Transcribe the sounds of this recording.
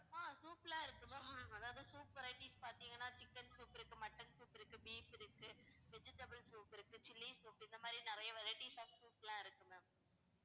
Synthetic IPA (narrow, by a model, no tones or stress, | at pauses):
aːsuːplãːɪɾɯkːɯmemːɐðaːʋɐðɯsuːpʋɐɾɐɪʈiːspaːɾt̪iːŋɡɐnːaːt͡ʃɪkːɐnsuːpɪɾɯkːɯmɐʈːɐnsuːpɪɾɯkːɯbiːfɪɾɯkːɯʋɛd͡ʒɪʈːɐbɐlsuːpɪɾɯkːɯt͡ʃɪlːisuːpɪnd̪ɐmaːd̪ɾinɪɾɐjɐʋɐɾɐɪʈisɐːsuːplãːɪɾɯkːɯme